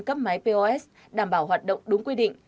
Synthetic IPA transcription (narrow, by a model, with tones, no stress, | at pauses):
kə˦˥p̚ma˨˦jpe˧ʔɔ˧ʔɛ˦˥s | ɗaː˧˩mɓaː˧˩wɦaː˨˩t̚ɗə̰˧˨wŋ͡mɗʊ˨˦ŋ͡mkwi˧ɗḭ̈˧˨ŋ̟